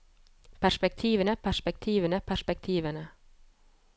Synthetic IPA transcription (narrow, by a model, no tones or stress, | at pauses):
pʰæʂpɛk̚t̪ʰiːʋənəpʰæʂpɛk̚t̪ʰiːʋənəpʰæʂpɛk̚t̪ʰiːʋənə